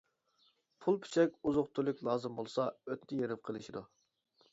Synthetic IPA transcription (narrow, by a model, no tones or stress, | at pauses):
pʰulˠpʰi̥t͡ʃʰɛkʲuzʊχt̪ʰulˠykʲlˠɑːzɨmbolˠsɑøt̪nɪjeɾɪp̚qʰəlˠɨʃid̪u